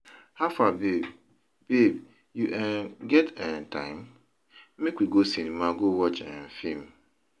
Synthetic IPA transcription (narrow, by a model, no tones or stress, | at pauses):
hafabe | b̥eb | juʔɛ̃nɡɛtɛ̃ntʰã̰ɪ̃m | mekwiɡosinĩmãɡowɔt͡ʃɛ̰̃n̩fĩm